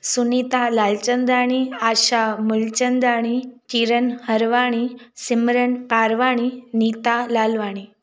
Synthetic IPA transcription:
sunit̪alalt͡ɕənd̪aɽ̃iaɕamult͡ɕənd̪aɽ̃it͡ɕ̪iɾənhəɾʋaɽ̃isimɾənpaɾʋaɽ̃init̪alalʋaɽ̃i

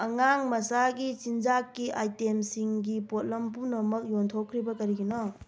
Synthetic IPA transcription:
ɐŋaŋmɐsaɡit͡ʃind͡ʒakːiʔajtemsiŋɡipot̚lɐmpunɐmɐk̚jontʰokʰːɾibɐkɐɾiɡinɔ

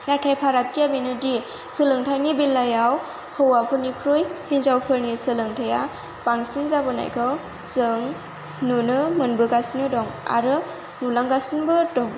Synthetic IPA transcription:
natʰajpʰaɾatːijabinɯdi | sɯlɯŋtʰajnibilːajaw | hɔwapʰɯnikʰɾujhinzawpʰɯɾnisɯlɯŋtʰaja | baŋsiŋzabɯna̰jkʰɯw | sɯŋ | nunɯmɯnbɯɡasinɯdɔŋa̰ɾɯ | nulaŋɡasinbɯdɔŋ

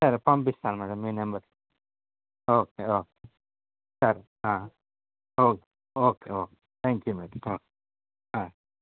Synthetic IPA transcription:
sɐɾpɐmbist̪aːɾmɛɖəmːinɐmbəɾ | oːkeoːke | sɐɾ | ɦã | oːke | oːkeoːke̥t̪ʰɛ̃ŋkjumɛʈoːke̥ | ɦã

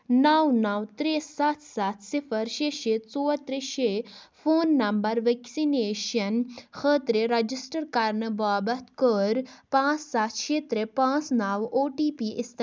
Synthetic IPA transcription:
nawnawt̪ɾesat̪ʰsat̪ʰsifʰəɾʃeːʃeːt̪t͡soːt̪ɾeʃeːfʰoːnːɐmbɐɾʋeksineːʃɐnxʰəːt̪ɾeɾɐd͡ʒisʈəɾkaːɾnəbaːbɐt̪ʰkəɾpãːt͡sːsat̪ʰʃeːt̪ɾepãːt͡snaːwoːʈiːpiːʔɪst̪

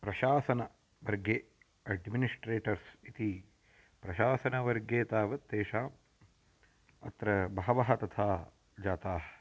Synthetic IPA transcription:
pɾɐʃaːsɐnɐ | ʋɐɾɡe | ɐɖminisʈɾeːʈɐɾsit̪i | pɾɐʃaːsɐnɐʋɐɾɡjeːt̪aːʋɐt̪ːeːʃaːm | ɐ̰t̪ɾɐbɐɦɐʋɐɦɐt̪ɐt̪ʰaː | d͡ʒaːt̪aːɦɐ

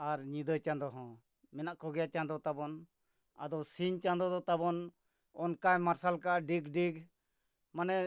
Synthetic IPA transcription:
aɾɲĩd̪ət͡ʃand̪ɔɦɔ̃ | mɛnaʔkɔɡɛjat͡ʃand̪ɔt̪abɔn | a̰d̪ɔsiɲt͡ʃand̪ɔd̪ɔt̪abɔn | ɔnkajmaɾsalkaɖiɡɖiɡ | manɛ

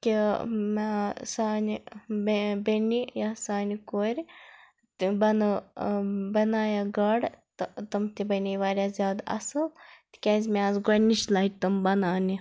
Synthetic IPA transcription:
kʲimsaːn | benijasaːnikoːɾʲ | bɐn | bɐnaːjaɡɐɽt̪t̪ɐmt̪ibɐniʋaːɾʲjazʲjaːd̪ɐ̰sɐt̪kʲaːzʲmeazɡɐniʃlaːjʈ̚t̪ɐmbɐnaːni

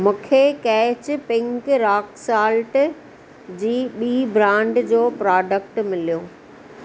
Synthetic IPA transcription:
mũːkʰekɛːt͡ɕpɪ̃ŋkɾaːksaːlʈ | d͡ʑiːɓiːbɾãːɳɖd͡ʑoːpɾaːɖək̚ʈmɪlijoː

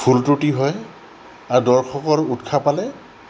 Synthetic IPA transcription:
pʰultutiɦɔj | aɹdɔɹxʰɔkɔɹutkʰapalɛ

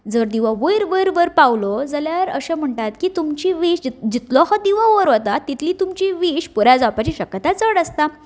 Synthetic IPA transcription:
d͡zəɾd̪iʋãʋəjɾʋəjɾʋəɾpawlod͡zəljaɾəɕem̤əɳʈat̪kiːt̪umt͡ɕiʋiɕd͡ʑd͡ʑit̪lɔɦad̪iʋãʋəɾʋot̪at̪ːit̪ʰliːt̪umt͡ɕiʋiɕpuɾjad͡zawpat͡ɕiːɕəkːət̪at͡səɽəst̪a

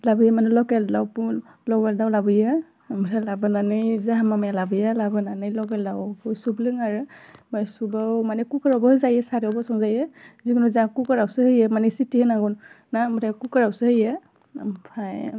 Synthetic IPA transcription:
labɯjamanɛlɔkɛldawpu | lɔɡɛldawlabɯja | mɯtʰalabɯnanɯjzaɦamamajalabɯjalabɯnanɯjlɔɡɛldawhɔjsublɯŋaɹɯmajsubawmanɛkukɔɹɔbɔhɯzajɛsaɾiɔbɔsɔŋzajɛziɡunɔzakukɔɹawsɯhɯjɛmanɛsitihɯnaɡɔnː | amɯtʰakukɔɹawsɯhɯjɛ̰ | mpʰaj

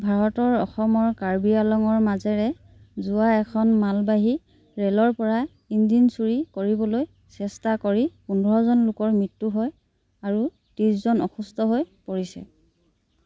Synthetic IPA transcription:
bʱaɹɔtɔɹɔxɔmɔɹkaɹbialɔŋɔɹmazɛɹɛ | zʊwaɛkʰɔnmalbaɦi | ɹɛlɔɹpɔɹa | indinsuɹikoɹibɔloj | sɛstakoɹipundɔɹɔzɔnlʊkɔɹmɹitːuɦɔj | aɹu | tiszɔnɔ̰xustɔɦojpoɹisɛ̰

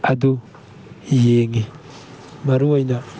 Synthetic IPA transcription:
ad̪u | jeŋi | maɾuwajna

